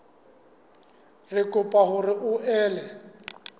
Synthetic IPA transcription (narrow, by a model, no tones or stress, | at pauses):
rɪkʼʊpʼaɦʊrɪʔʊʔɛːlɛ